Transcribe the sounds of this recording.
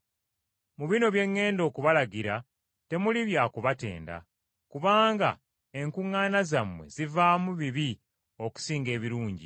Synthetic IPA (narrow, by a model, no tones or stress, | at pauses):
muβino̞βje̞ŋːe̞ːndo̞ːkuβalaɡiɾa | te̞muliβjaːkuβate̞̰ːnda̰ | kuβaːŋɡa̰ | e̞ŋkuŋːaːnazamwe̞̰zivaːmuβiβi | o̞ku̥siːŋɡe̞ːβiɾuːɲɟḭ